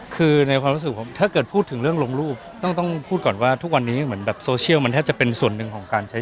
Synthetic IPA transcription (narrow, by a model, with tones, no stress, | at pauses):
kʰɯː˧na˧jkʰwaː˧mɾu˦˥s̬ɯ˨˩pʰo˩˦mt̪ʰaː˥˩kɤː˨˩t̪̚pʰuː˥˩t̪ʰːɯ˩˦ŋɾɯ˥˩əŋlo˧ŋɾuː˥˩p̚t̪ɔ˥˩ŋt̪ɔ˥˩ŋpʰuː˥˩t̪̚kɔː˨˩nwaː˥˩t̪ʰu˦˥k̚wa˧nːiː˦˥mɯ˩˦ənbɛː˨˩p̚soː˧t͡ɕʰi˥˩wma˧nt̪ʰɛː˥˩p̚t͡ɕa˨˩pe˧nsu˨˩ənːɯ˨˧ŋkʰɔː˩˦ŋkaː˧nt͡ɕʰa˦˥